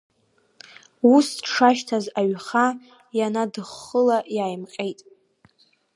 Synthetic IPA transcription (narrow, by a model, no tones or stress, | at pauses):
usʈ͡ʂʰaʃtʰazaɥχa | janadɨχːəlajaːjmqʲʼe̞jtʼ